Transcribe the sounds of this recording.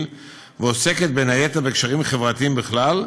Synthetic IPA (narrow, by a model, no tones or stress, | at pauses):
l | veose̞ket̪̚benhajet̪abekʃaʁimχevʁat̪iimbiχlal